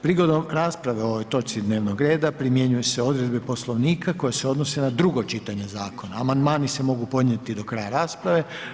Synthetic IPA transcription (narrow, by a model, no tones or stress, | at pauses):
pɾiɡo̞d̪o̞mɾaːspɾaʋeo̞ʋojt̪o̞t͡ʃsid̪ne̞ːʋnoɡɾe̞ːd̪apɾimje̞ɲujeseo̞d̪ɾe̞d̪bepo̞slˠo̞ʋniːkako̞jeseo̞d̪no̞se̞nad̪ɾuɡo̞t͡ʃit̪aɲe̞zaːko̞naːmand̪maːnise̞mo̞ɡupo̞d̪ɲe̞t̪id̪o̞kɾajaɾaːspɾaʋe̞